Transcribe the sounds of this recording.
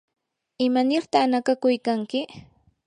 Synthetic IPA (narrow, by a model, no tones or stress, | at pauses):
ɪmanɪɾt̪anakakʊjkaŋkɪ